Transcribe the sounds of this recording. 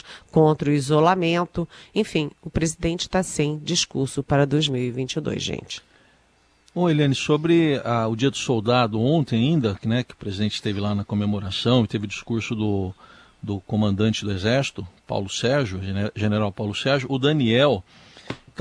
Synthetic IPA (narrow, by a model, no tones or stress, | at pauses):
kõnt̪ɾɐʊizolamẽnt̪ʊẽj̃fĩʊpɾezid̪ẽnt͡ʃɪ̥t̪asẽj̃d͡ʒiskuɾsʊpaɾɐd̪ojzmiwivĩnt͡ʃɪd̪o̰jzʒḛ̃t͡ʃɪ̥ | bõelẽnɪsobɾɪaʊd͡ʒiɐd̪ʊsowd̪ad̪ʊõt̪ẽj̃aĩnd̪ɐknɛkɪʊ̥pɾezid̪ẽnt͡ʃɪst̪evɪlanɐkomemoɾasɐ̃w̃ɪt̪evɪʊd͡ʒiskuɾsʊd̪ʊ | d̪ʊkõmɐ̃nd̪ɐ̃nt͡ʃɪd̪ʊezɛɾsi̥t̪ʊpa̰wlʊsɛɾʒʊʒeneɾawpawlʊsɛɾʒʊʔːd̪ɐniɛw | t̪